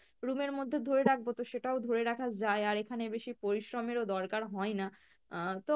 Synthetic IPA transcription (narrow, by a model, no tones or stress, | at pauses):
ɾumeɾmod̪ʱːed̪ʱoɾeɾak̚ʰbot̪oʃeʈaod̪ʱoɾeɾakʰad͡ʑaeaɾekʰanebeʃipoɾiʃɾomeɾod̪ɔɾkaɾɦɔena | t̪o